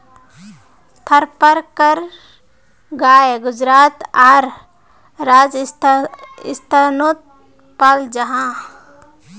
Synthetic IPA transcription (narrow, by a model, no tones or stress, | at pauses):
t̪ʰəɾpəɾkəɾ | ɡaːeɡʊd͡ʒɾaːt̪aːɾː | aːd͡ʒ | ɪ̰st̪ʰanot̪̚ | pald͡ʒəɦã